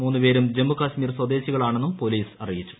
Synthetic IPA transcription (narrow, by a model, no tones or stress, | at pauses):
muːnːɨpe̞ːɾumd͡ʑe̞mːukaːɕmiːrswɐd̪e̞ːɕiɣɐɭaːɳe̞nːumpo̞liːsɐrijit͡ɕːu̥